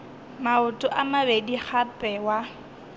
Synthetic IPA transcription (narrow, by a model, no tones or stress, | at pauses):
maʊtʼʊʔamabediχapʼɛwa